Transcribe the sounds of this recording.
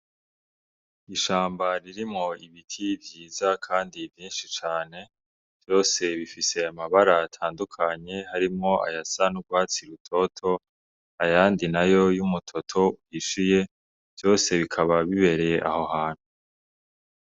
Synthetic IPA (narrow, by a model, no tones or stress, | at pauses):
iʃaːmbaɾiɾimŋo̞iβitʰivjiːzakʰaːndivjiːnʃit͡ʃaːne̞ | v̥jo̞ːse̞βifiseamaβaɾatʰaːndukʰaɲe̞haɾimŋo̞a̰jasanuɡwaːt͡siɾutʰo̞tʰo̞ | ajaːndinajo̞jumutʰo̞tʰo̞uhiʃije̞ | v̥jo̞ːse̞βikʰaβaβiβe̞ɾeeʔa̰ho̞haːn̥hu